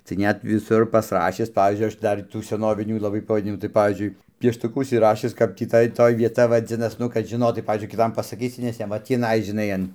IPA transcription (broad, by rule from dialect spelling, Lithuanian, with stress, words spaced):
tɐɪ ˈnʲɛt ʋʲɪˈsʊr pɐsˈrɑːʃʲɪs ˈpɑːʋʲiːzʲd͡ʒʲʊɪ ˈɐʃ ˈdɐr tuː sʲɛˈnoːʋʲɪnʲuː lˠɐˈbɐɪ pɐʋɐˈdʲɪnʲɪmuː tɐɪ ˈpɑːʋʲiːzʲd͡ʒʲʊɪ pʲiɛʃtʊˈkʊ ʊʃʲsʲɪˈrɑːʃʲɪs ˈkɐp tʲiː ˈtɐɪ ˈtoːj ʋʲiɛˈtɐ ʋɐˈd͡zʲɪnɐs ˈnʊ kɐt ʒʲɪˈnoːtɐɪ ˈpɑːʋʲiːzʲd͡ʒʲʊɪ kʲɪˈtɐm pɐsɐˈkʲiːsʲɪ nʲɛs ˈjɛm ʋɐ ˈtʲiːnɐɪ ʒʲɪˈnɐɪ ɐn